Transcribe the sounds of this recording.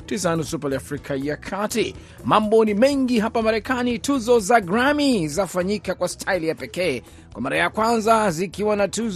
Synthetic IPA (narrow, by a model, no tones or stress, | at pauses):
tis̬anusupaliafɾikʰajakʰati | mambɔnimɛŋɡiɦapamaɾɛkanituzɔzaɡɾamizafaɲikakwastʰailijapɛkɛː | kwamaɾajakwanzazikiwanatu